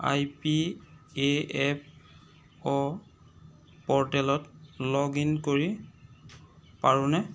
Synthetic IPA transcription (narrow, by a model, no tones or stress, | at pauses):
a̰jpieɛp̚ʰ | ɔ | pɔɹtɛlɔtlɔɡinkoɹi | paɹunɛ